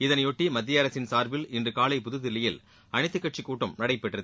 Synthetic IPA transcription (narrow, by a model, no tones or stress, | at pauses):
ɪðɐnjɔʈːimɐd̪ːɪjɐɐɾɐsɪnsaːɾbɪlɪndrɯkaːlɐɪpʊðɯðɪlːɐjɪl | ɐɳɪt̪ːɯkːɐʈ̚t͡ʃikːuːʈːɐmnɐɽɐɪpːɛʈrɐðɯ